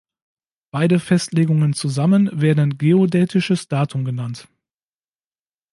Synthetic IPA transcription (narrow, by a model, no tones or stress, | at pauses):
b̥aɪdəfɛstleːɡʊŋənt͡suzamənveːɐdn̩ɡeːodɛːtɪʃəsd̥aːtʰʊmɡənant